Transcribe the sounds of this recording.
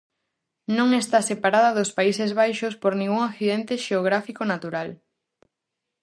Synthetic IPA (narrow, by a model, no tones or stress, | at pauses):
nõŋest̪asepaɾaðɐðʊspaisezβajʃospoɾnĩŋɡuŋakθiðent̪eʃeoɣ̞ɾafikonat̪uɾal